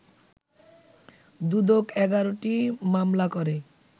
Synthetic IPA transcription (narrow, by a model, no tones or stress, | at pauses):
d̪ud̪okɛɡaɾoʈimamlakɔɾe